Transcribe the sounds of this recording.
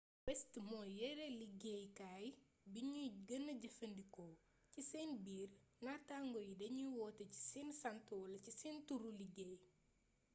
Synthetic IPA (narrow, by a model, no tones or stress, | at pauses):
wɛstəmɔjɛɾɛliɡɛjkaːj | biɲuɡɐnːɐɟɐfɐndikɔː | cisɛːnbiːrnataːŋɡɔjidɐɲuwɔːtɐci̥sɛːnsɐntɔːlɐcisɛntuɾuliɡej